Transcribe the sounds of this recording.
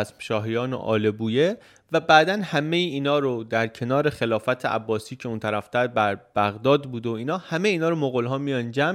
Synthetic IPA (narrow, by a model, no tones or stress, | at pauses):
smʃɒːɦijɒːnḛʔɒ̰ːle̞buːje | væbæːd̪ænhæmejiiːnɒːɾod̪æɾcʰe̞nɒːɾe̞xe̞lɒːfæt̪ʰeʔæ̰bːɒːsiːcʰeunt̪ʰæɾæft̪æd̪̚bæɾb̥æɣd̪ɒːd̪buːd̪eoiːnɒːhæmejiːnɒːɾomoɣolɦɒːmijɒnd͡ʒæm